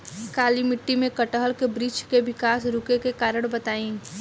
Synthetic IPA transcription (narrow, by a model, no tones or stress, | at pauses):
kaːlimɪʈːimẽkəʈəɦəlkebɾiːt͡ʃkeʋɪkaːsɾʊkekekaːɾəɽ̃bɐt̪aːĩː